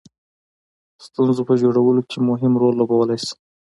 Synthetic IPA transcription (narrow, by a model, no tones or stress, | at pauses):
st̪unzopəd͡ʒoɽawəlokʰemʊɦɪmɾolːobawəlajs